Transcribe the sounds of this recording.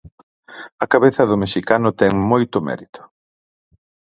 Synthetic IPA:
ɐkaβeθɐðʊmeʃikanʊt̪ɛŋmojt̪ʊmɛ̰ɾit̪ʊ̥

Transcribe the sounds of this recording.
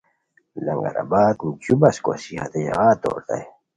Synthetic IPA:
lɐŋɡaɾa̰baːt̪mt͡ɕubaskosihat̪ejaɣaːt̪o̰ːɾt̪a̰j

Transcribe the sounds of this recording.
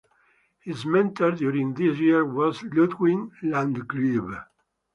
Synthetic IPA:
hizmɛ̃nt̪ʰəɹd̪juɾĩŋðisjiɹwɔzlut̪wĩnlãndɡɹib

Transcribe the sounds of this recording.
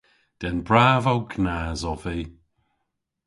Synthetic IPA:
d̪̥ɛnbɹaːvawɡnaːzɔviː

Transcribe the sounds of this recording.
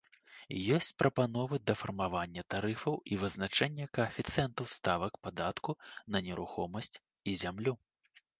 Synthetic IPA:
jɔsʲt͡sʲpɾʔɐpanɔvɨd̪ɐfɐrmavanʲːɐt̪aɾɨfɐwivɨznat͡ʂɛnʲːɐkɐːfʲit̪sɨɛnt̪ɐwst̪avɐkpad̪at̪kunɐnʲɛɾuxɔmɐsʲt͡sʲ | izʲamlʲu

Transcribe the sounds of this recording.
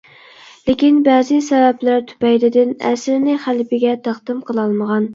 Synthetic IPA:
lɪkʲinbæːzɪsɛvɛplæɾt̪ʰy̥pɛjd̪ɪd̪ɪnɛ̰sɾɪnɪχælpɪɡʲɛt̪ʰɑχd̪ɨmqʰəlˠɑlˠməʁɑn

